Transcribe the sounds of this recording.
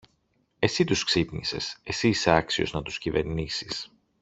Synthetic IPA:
e̞sit̪usksip̪nise̞̰se̞siːseɐksio̞̰znɐt̪u̥scive̞ɾnisis

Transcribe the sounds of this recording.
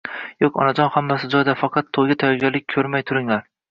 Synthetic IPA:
jokʲɒ̰nad͡ʒɒnhamːasɪd͡ʒɒjd̪afɑqʰɑt̪ʰːojɡʲat̪ʰajɒɡʲalɪk̚ʲkʰɵɾmajt̪ʰʊɾɪŋlaɾ

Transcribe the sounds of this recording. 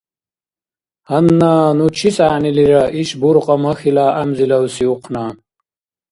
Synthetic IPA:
hɐnːaːnut͡ɕʰisaːniliɾɐʔiɕbuɾqʼɐmɐxilaːɐmzilɐwsiuqʰnaːn

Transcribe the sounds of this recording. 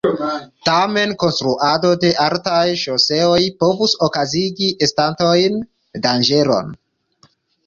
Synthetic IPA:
tame̞nko̞nst̪ɾuʔado̞de̞ʔaltajʃose̞o̞jpo̞vuso̞kaziɡiʔestanto̞jn | dand͡ʒe̞ɾo̞̰n

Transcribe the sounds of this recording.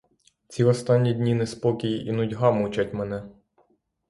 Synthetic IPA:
t͡sʲiɔst̪ɑnʲːidʲnʲinɛspɔkʲijinʊdʲɦɑmut͡ʃʲatʲmɛnɛ

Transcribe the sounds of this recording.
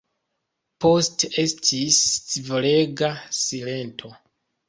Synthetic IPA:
po̞ste̞stʰist͡sivole̞ɡasile̞ntʰo̞

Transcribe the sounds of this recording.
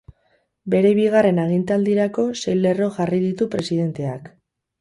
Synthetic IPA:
be̞ɾe̞βiɣare̞naɣ̞int̪ald̪iɾako̞sejle̞ro̞ʝariðit̪upɾe̞sið̞e̞nt̪e̞ak

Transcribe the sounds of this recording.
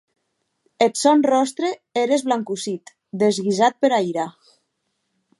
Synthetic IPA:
et̪sɔnrɔst̪ɾeeɾezβlaŋkusit̪ | d̪ezɣizat̪̚peɾajɾa

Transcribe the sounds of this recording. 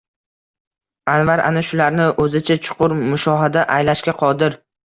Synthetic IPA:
anvaɾa̰naʃʊlaɾnɪʔɵzɪt͡ʃʰat͡ʃʰʊ̥qʰʊɾmʊʃɒɦad̪aʔajlaʃkʲaqʰɒd̪ɪɾ

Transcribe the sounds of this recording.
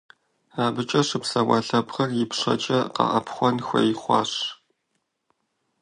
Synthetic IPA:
aːbɨt͡ʃʼɐʂɨpsɐwɑɬɐpχɐrjɪpʂɐ̰t͡ʃʼɐqɐ̰ʔɐ̰pχʷɔnxʷɐ̰jɪχʷɑ̰ːɕ

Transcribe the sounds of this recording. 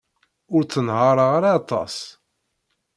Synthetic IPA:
ʊɾt͡sːənhɑɾˤɑʁɾaɑt̪ˤːɑ̰s

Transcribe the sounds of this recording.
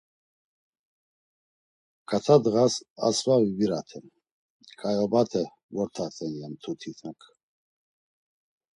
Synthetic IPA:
kʰat̪ʰad̪ɣasa̰svavibiɾat̪ʰɛm | kʰajɔbat̪ʰɛ | vɔɾt̪ʰat̪ʼɛnjamt̪ʰut̪ʰit̪ʰakʰ

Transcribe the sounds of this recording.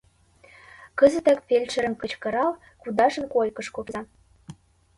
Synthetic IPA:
kɤ̆zə̆t̪ækpelʲt͡ɕɘ̆ɾə̆mkɤ̆t͡ɕkɤ̆ɾɑl | kud̪ɑʒɤ̆nkolkɤ̆ʃkopzɑ

